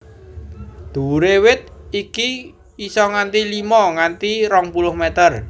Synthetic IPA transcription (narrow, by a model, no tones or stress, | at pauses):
d̪̥ṳɾewɪt̪̚iki | isɔŋant̪ilimɔŋant̪iɾɔŋpulʊhmɛt̪ər